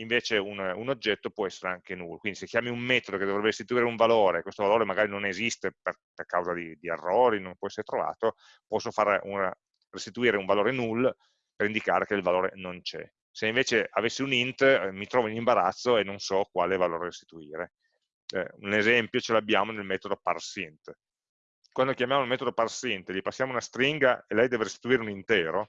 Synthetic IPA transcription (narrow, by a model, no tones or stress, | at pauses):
iɱveːt͡ʃeununod͡ʒːɛt̪ːopwɔɛsːeɾeaŋkenulːokwind̪isekːjaːmiummɛːt̪od̪oked̪ovɾɛbːerist̪it̪uiːɾeuɱvaloːɾekwest̪ovaloːɾemaɡaːɾinonezist̪eper | perkawzad̪id̪iḛrːoːɾinompwɔɛsːeɾet̪ɾova̰ːt̪o | pɔsːofaːɾuna | rist̪it̪uiːɾeuɱvaloːɾenulː | peɾind̪ika̰ːɾekeilvaloːɾḛnont͡ʃɛ̰ | seiɱveːt͡ʃeavesːiunint̪mit̪ɾɔːvoinimbaɾa̰t̪sːoenːonsɔkwaːlevaloːɾeɾest̪i̥t̪uiːɾe | ɛ̰unezɛmpjot͡ʃelabːjaːmonelmɛːt̪od̪oparsint̪ | kwand̪okjamjaːmulmɛːt̪od̪oparsint̪ʎipasːjaːmounast̪ɾiŋɡa̰elɛjd̪ɛːveɾest̪i̥t̪uiːɾeunint̪ɛːɾo